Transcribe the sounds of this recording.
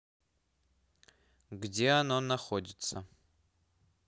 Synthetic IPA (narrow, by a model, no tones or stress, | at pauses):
ɡdʲeanonaχodʲɪt̪sɐ